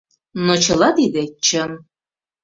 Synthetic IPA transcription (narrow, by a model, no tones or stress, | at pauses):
not͡ɕɤ̆lˠɑt̪id̪et͡ɕəm